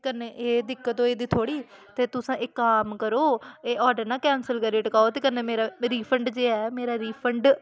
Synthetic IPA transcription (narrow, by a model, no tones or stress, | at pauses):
kənːeːʔeːd̪ɪkːət̪oːeːd̪iːt̪ʰoːɽiːt̪eːt̪ʊsãːʔekːaːmkəɾoːeːʔɔːɾɖəɾnãːkɛːnsəlkəɾeːʈəkaːoːt̪eːkənːẽːmeːɾaːɾiːpʰəɳɖd͡ʒeːɛːmeːɾaːɾiːpʰəɳɖ